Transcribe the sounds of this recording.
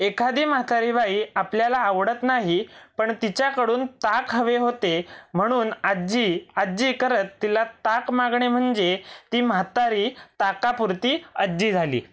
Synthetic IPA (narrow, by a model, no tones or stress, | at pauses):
ekʰad̪iːmat̪aɾiːʋaiːapljalaːʋɽət̪naɦipəɳt̪it͡ɕjakəɽuːnt̪akɦəʋeɦot̪em̤əɽ̃uːnad͡ʑiad͡ʑiːkəɾət̪ːilat̪akmaɡɳem̤əɳd͡ʑet̪iːmat̪aɾiːt̪akapuɾt̪iːəd͡ʑiːd͡zʱalḭː